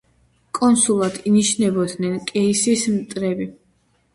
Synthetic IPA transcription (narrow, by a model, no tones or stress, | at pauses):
kʼɔnsulˠad̪̥iniʃnɛbɔd̪nɛnkʼɛisismt̪ʼɾɛbi